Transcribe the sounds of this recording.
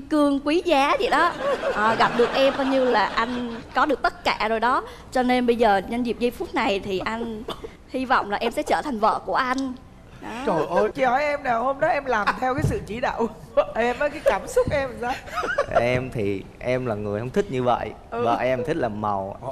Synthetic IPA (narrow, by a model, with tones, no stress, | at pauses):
kɨ˧əŋkwi˨˦zaː˨˦zḭ˧˨ɗɔ˨˦ʔəː˨˩ɣa˨˩p̚ɗɨ˨˩ək̚ʔɛ˧mɓaː˧wɲɨ˧laː˨˩ʔa˧jŋ̟kɔ˨˦ɗɨ˨˩ək̚t̪ə˦˥t̚kaː˧˩zo˨˩jɗɔ˨˦ | t͡ɕɔ˧ne˧nɓə˧jzəː˨˩ɲə˧nzi˨˩p̚zi˧˩p̚fu˦˥t̚na˨˩jt̪ʰi˨˩ʔa˧jŋ̟ | hi˧vɔ̰˧˨wŋ͡mlaː˨˩ʔɛ˧msɛ̰˧˥t͡ɕəː˧˩t̪ʰa˨˩ŋ̟və̰ː˧˨ku˧˩əʔa˧jŋ̟ | ɗɔ˨˦o˧˩ʔo˧˩t͡ɕi˧hɔ˨˦jʔɛ˧mnaː˨˩who˧mɗɔ˨˦ʔɛ˧mlaː˨˩mt̪ʰɛ˧wkaː˨˦jsɨ̰˧˨t͡ɕi˧˦ɗa̰ː˧˨w | ʔɛ˧mː˨˦kaː˨˦jkaː˧˩msʊ˦˥k͡p̚ʔɛ˧mzaː˧˦ʔɛ˧mt̪ʰi˨˩ʔɛ˧mlaː˨˩ŋɨ˨˩əjhə˧wŋ͡mt̪ʰï˦˥k̚ɲɨ˧və̰˧˨jʔ | və̰ː˨˧˨ʔɛ˧mt̪ʰï˦˥k̟̚laː˨˩ma̰˨˩w